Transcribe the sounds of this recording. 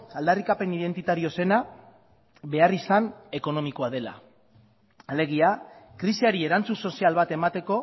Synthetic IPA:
ald̪arikape̞niðe̞nt̪it̪aɾio̞se̞na | βe̞arisane̞ko̞no̞miko̞að̞e̞la̰ | ale̞ɣ̞iakɾisiaɾie̞ɾant͡sunso̞sialβat̪e̞mat̪e̞ko̞

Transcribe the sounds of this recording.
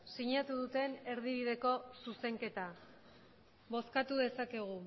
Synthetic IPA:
siɲat̪uðut̪e̞ne̞ɾðiβið̞e̞ko̞suse̞ŋke̞t̪a | βo̞skat̪uðe̞sake̞ɣ̞u

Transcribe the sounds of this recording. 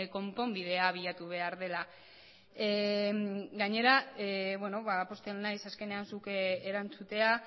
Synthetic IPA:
ko̞mpo̞mbið̞e̞aβ̞iʎat̪uβ̞e̞aɾðe̞la | ɡaɲe̞ɾaβwe̞no̞βapo̞st̪elnːajsaske̞ne̞ansukeeɾant͡sut̪e̞a

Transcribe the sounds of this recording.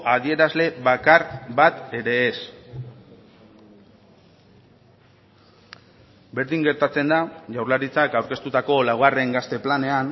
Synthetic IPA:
aðie̞ɾazle̞βakaɾβat̪e̞ɾe̞ːs | be̞ɾðiŋɡe̞ɾt̪at͡se̞nd̪aʝawɾlaɾit͡sakawɾke̞st̪ut̪ako̞lawɣare̞ŋɡast̪e̞plane̞an

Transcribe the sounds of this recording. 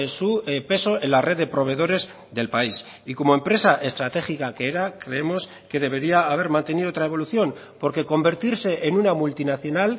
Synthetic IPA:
supe̞so̞e̞nlare̞ðe̞pɾo̞β̞e̞ð̞o̞ɾe̞z | ðe̞lpais | iko̞mo̞empɾe̞saʔe̞st̪ɾat̪e̞xikakeeɾakɾe̞emo̞s | ke̞ðe̞β̞e̞ɾiaːβ̞e̞ɾmãnt̪e̞niðot̪ɾae̞βo̞luθjo̞n | po̞ɾke̞ko̞mbe̞ɾt̪iɾse̞ʔenunamult̪inaθjo̞nal

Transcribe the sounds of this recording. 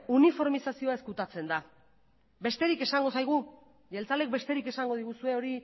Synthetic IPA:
unifo̞ɾmisasio̞ae̞skut̪at͡se̞nd̪a | be̞st̪e̞ɾike̞saŋɡo̞sajɣ̞u | ʝe̞lt͡sale̞k̚be̞st̪e̞ɾike̞saŋɡo̞ð̞iɣ̞usue̞o̞ɾi

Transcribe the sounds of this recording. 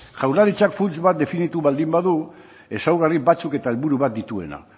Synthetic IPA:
ʝawɾlaɾit͡ʃakfult͡sβat̪̚d̪e̞finit̪uβald̪imbaðu | e̞sawɣaribat͡suke̞t̪ae̞lβuɾuβat̪̚d̪it̪ue̞̰na̰

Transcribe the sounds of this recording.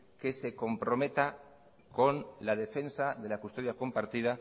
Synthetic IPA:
ke̞se̞ko̞mpɾo̞me̞t̪a | ko̞nlað̞e̞fe̞nsaðe̞lakust̪o̞ð̞jako̞mpaɾt̪iða

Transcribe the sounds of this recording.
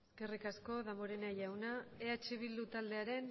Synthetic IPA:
eske̞rikasko̞ðamoɾenajawnaeat͡ʃeβild̪ut̪ald̪e̞aɾe̞n

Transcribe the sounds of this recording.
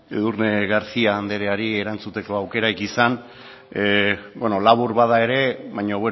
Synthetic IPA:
eðuɾneɣaɾsiaːnd̪e̞ɾe̞aɾie̞ɾant͡sut̪e̞ko̞awke̞ɾaikisan | bweno̞laβuɾβaðae̞ɾe̞βajɲo̞βwe

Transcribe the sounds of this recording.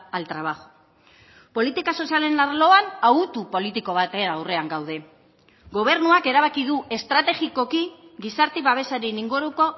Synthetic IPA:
alt̪ɾaβ̞aɣo̥ | po̞lit̪ikaso̞siale̞naɾlo̞anaut̪upo̞lit̪iko̞β̞at̪eɾawre̞aŋɡawð̞e̞ | ɡo̞β̞e̞ɾnuake̞ɾaβ̞akiðuʔe̞st̪ɾat̪e̞ɣiko̞kiɡisaɾt̪eβaβ̞e̞saɾiniŋɡuɾuko̞

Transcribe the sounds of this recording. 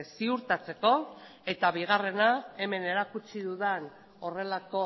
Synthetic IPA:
siuɾt̪at͡se̞ko̞ | e̞t̪aβiɣ̞are̞nae̞me̞ne̞ɾakut͡ʃiðuðen | o̞re̞lako̞

